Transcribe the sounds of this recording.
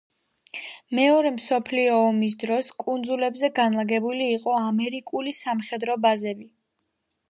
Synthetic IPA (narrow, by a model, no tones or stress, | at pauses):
mɛɔɾɛmsɔpʰliɔːmis̬d̪ɾɔskʼund̪zulɛbzɛɡanlˠaɡɛbuliːqʼɔamɛɾikʼulisamχɛd̪ɾɔbazɛbi